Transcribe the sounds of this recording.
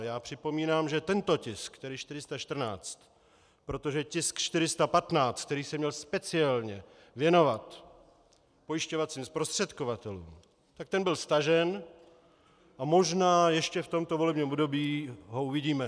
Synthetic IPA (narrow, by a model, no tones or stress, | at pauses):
jaːpr̝̥ɪpo̞miːnaːmʒɛt̪ɛnt̪o̞cɪskt̪ɛɾɪʃt̪ɪɾɪst̪aʃt̪r̩na̰ːt͡st̪ | pɾo̞t̪o̞ʒɛcɪskt͡ʃt̪ɪɾɪst̪apat̪naːt͡st̪̚t̪ɛɾiːsɛmɲɛlspɛt͡sɪalɲɛ | vjɛno̞vat̪ | po̞jɪʃcovat͡siːmspɾost̪r̝̥ɛt̪kovat̪ɛlṵːm | t̪ak̚t̪ɛnbɪlst̪aʒɛn | ʔamo̞ʒnaːjɛʃcɛft̪o̞mt̪o̞volɛbɲiːmobdo̞biːɦouvɪɟiːmɛ